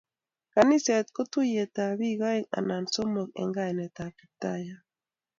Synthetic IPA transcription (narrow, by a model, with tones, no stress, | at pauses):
ka˨ni˦sɛ˨t̪̚ko˦tu˦jɛ˨ta˨βi˦ɣa˦ɛ˦ka̰˨na˨nso˦mo˨k̚ɛ̰˨ŋɡa˦ɛ˨nɛ˨ta˨ki˨ta˦ja˦